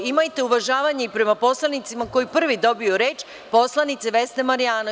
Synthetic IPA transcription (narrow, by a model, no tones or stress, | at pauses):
imajt̪euʋaʒaːʋaɲeipɾe̞mapo̞slˠanit̪simako̞jipr̩ʋid̪o̞bioɾeːt͡ʃ | po̞slˠanit̪seʋe̞st̪emaɾijaːna